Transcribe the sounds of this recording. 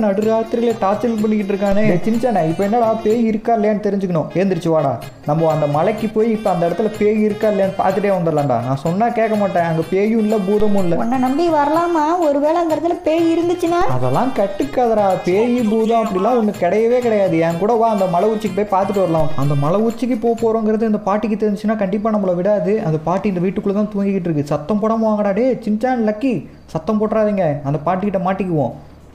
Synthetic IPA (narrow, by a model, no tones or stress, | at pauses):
nɐɽɯɾaːt̪ːɪɾɣɐɭeʈaːt͡ʃɐlp̬ɐɳːɪkːɪʈːɾɯk̬ːaːnet͡ʃɪnt͡ʃːaːnẽːɪpːɐɛnːaːlɐpeːjiɪɾɯkːaːɪlːejɐnːɯt̪ɛɾɪɲd͡ʒɯkːɐɳʊ̃eːnd̪ɪɾɯt͡ʃːɯʋaːɽa̰ː | nɐmːɐɐnd̪ɐmɐlɐkːɯpoːjiɪpːɐɐnd̪ɐɪɽɐt̪ːɪlɐpeːjiɪɾɯkːaːɪlːeɐnːɯpa̰ːɾt̪ɯʈːeːʋɐnd̪ɯɾlaːɳɖã̰ːnãːsɔnːaːkeːkːɐmaːʈːẽːɐŋɡɐpeːjũɪlːɐbuːðɐmʊ̃ɪlːɐɔnːɐnɐmbiʋɐɾɐlaːmaːɔɾɯʋeːɭɐɐnd̪ɐɛɾɐt̪ːɪlɐpeːjɪɾɯnd̪ɯt͡ʃːɯnaːɐ̰ðɛlːãːkɐʈːɯkːaːðɐɾaːpeːjibuːðɐ̃ɐpːɐɽɪlːãːɔnːɯːɪɽɐjɐʋeːkɪɽɐjaːðɯɛːŋkuːɽɐʋaːɐnd̪ɐmɐlɐʊt͡ʃːɪkːɯpoːjpaːɾt̪ɯʈːɯʋɐɾɐlãːɐnd̪ɐmɐlɐʊɾt͡ʃːɪkːɯpoːpːoːɾõːŋɡɪɾɐðɯɐnd̪ɐpaːʈːɪk̬ːɯt̪ɛɾɪnd͡ʒɪt͡ʃːɯnaːkɐɳɖɪp̬ːaːnɐmːɯɭɐʋɪɽaːðɯɐ̰nd̪ɐpaːʈːiɪnd̪ɐʋiːʈːɯkːɯɭɐt̪ːãːt̪uːɐŋɡɪkːɪʈ̬ːɾɯkːɯsɐt̪ːɐ̃mpɔːɽɐmʋaːŋɡɐɽaːɽeːt͡ʃɪnt͡ʃaːnlɐkːi | sɐt̪ːɐ̃mpoːʈːɾaːðiːŋɡɐɐnd̪ɐpaːʈːikɪʈːɐmaːʈːɪkːɯʋõ̰ː